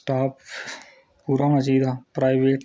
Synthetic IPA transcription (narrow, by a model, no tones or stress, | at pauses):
ʈaːp | puːɾamɐziːd̪ʱapɾaːɪʋeːʈ